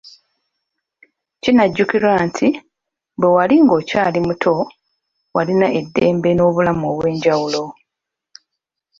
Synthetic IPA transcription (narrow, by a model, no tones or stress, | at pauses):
cinaɟːukiɾwaːntʰi | bwewaliŋɡo̞ːca̰ːlimutʰo̞ | walinaʔe̞dːe̞ːmbe̞no̞ːβulamoːβwe̞ːɲɟawulo̞